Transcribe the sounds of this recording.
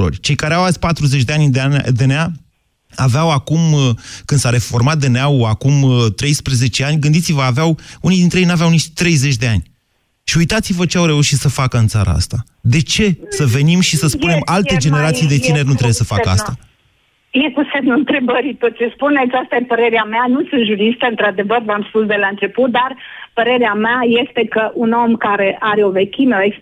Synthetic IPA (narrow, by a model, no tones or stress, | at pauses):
o̰rʲt͡ʃe̞jkaɾeawat̪sʲpat̪ɾuzet͡ʃʲd̪eanʲd̪ead̪enea | aveawakumkɨnd̪saɾe̞fo̞rmat̪̚d̪eneawakumt̪ɾe̞jspɾeze̞t͡ʃe̞anʲɡɨnd̪it̪sivəaveawunijd̪int̪ɾejejnuaveawnit͡ʃt̪ɾe̞jze̞t͡ʃʲd̪e̞anʲ | ʃiujt̪at̪sivət͡ʃeawɾe̞uʃit̪səfakəɨnt̪sa̰ɾʔa̰a̰st̪a | d̪e̞t͡ʃe̞səve̞nimʃisəspune̞malt̪e̞d͡ʒe̞ne̞ɾat̪sijd̪e̞t̪ine̞rʲnut̪ɾebjesəfa̰kəa̰st̪a | jekuse̞mnuɨnt̪ɾe̞bəɾit̪ot̪̚t͡ʃespune̞t̪sʲast̪ajepəɾe̞ɾeameanussɨnt̪ʒuɾist̪əɨnt̪ɾad̪e̞vərvamspusd̪e̞laɨnt͡ʃe̞put̪̚d̪arpəɾe̞ɾeameaje̞st̪e̞kəʔuno̞mkaɾe̞ʔaɾeo̞ve̞kʲimeoeks